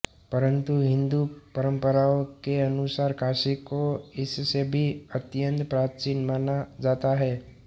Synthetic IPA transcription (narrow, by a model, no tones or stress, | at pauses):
pəɾə̃nt̪uɦɪ̃nd̪upəɾə̃mpəɾaːõkeɐnʊsaːɾkʰaːsikoɪsːebʱiɐt̪jə̃nt̪pɾaːt͡ʃiːnmaːnad͡ʒaːt̪aɦɛː